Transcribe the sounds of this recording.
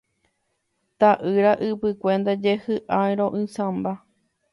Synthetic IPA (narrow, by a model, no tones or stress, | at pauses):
t̪aʔɨɾaʔɨpɨkʷẽ̞nd̪ad͡ʒehɨʔajɾõ̞ʔɨ̃sãmba